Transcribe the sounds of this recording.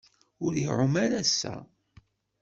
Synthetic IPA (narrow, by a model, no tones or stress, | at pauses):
ʊɾiʕʊmæɾæsːæ̰